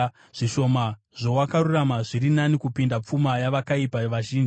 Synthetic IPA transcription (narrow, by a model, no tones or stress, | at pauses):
ʐ̥iʃo̞ma | ʐo̞wakaruramaʐiɾinanikupindap͡fumajaʋakaipaʋaʒiːnd͡ʒi